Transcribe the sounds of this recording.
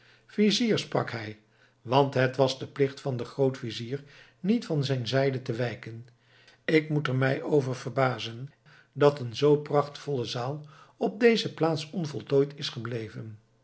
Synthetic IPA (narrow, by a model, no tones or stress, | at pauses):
viziːɹsprɑ̰kɦɛj | ʋɑntɦətʋɑzdəplɪχtfɑndəχrowtfiziːɹ | nitfɑnzɛjnzɛjdətəʋɛjkən | ɪkmutəɹmɛjʔowvəɹvəɹbaːzən | dɑtənzowprɑχtfɔləzaːlˠ | ɔb̚dejzəplaːtsɔnvɔlˠtojtʰɪsχəblejvən